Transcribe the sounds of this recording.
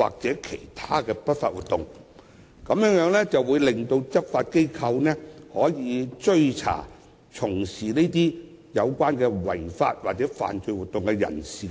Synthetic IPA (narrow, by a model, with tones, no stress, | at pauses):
wa̰ː˨k̚t͡sɛː˨˥kʰe˨˩jt̪ʰaː˥kɛː˧pɐ˥t̚fa̰ː˧t̚wuː˨t̪̚ːʊ˨ŋ | kɐ˨˥mjœː˨˥ŋjœː˨˥ŋlɛ˥t͡sɐ˨wwuː˨˧jlɪ˨˩ŋt̪o˧wt͡sɐ˥p̚faː˧t̚ke˥jkʰɐ˧wnɛː˥hɔː˨˥jiː˨˧t͡ʃɵ˧ɥt͡sʰa̰ː˨˩ | t͡sʰʊ˨˩ŋsiː˨˩ne˥t̪iː˥ | jɐ˨˧wkʷaː˥nkɛː˧wɐ̰˨˩jfa̰ː˧t̚waː˨k̚t͡sɛː˨˥fa̰ː˨nt͡ʃɵ˧ɥwu˨t̪ːʊ˨ŋkɛ˧jɐ̰˨˩nsiː˨˩